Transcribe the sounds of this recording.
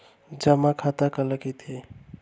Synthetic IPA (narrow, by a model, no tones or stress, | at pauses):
d͡ʒəmakʰat̪akələkit̪ʰe